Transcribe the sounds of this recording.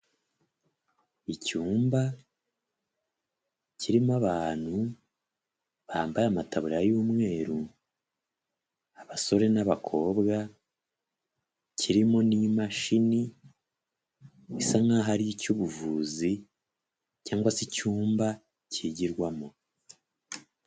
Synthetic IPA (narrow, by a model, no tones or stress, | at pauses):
icuːmba | ciɾimaβaːn̥hu | βaaːmbajamatʰaβuɾajuːmŋe̞ːɾu | aβaso̞ɾe̞naβakʰo̞ːbɡa | cʰiɾimo̞nimaʃini | isaŋɡaɦaɾijicuβuvuːzi | caːŋɡwasicuːmba | ciɟiɾɡwamo̞